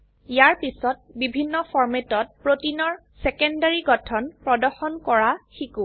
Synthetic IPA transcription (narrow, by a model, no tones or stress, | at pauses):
ijaɹpisɔt̚bibʱinːɔfʰɔɹmetɔt̚pɹotinɔɹ | sɛkɔndaɹiɡɔtʰɔnpɹɔdɔxɔnkɔɹaxiku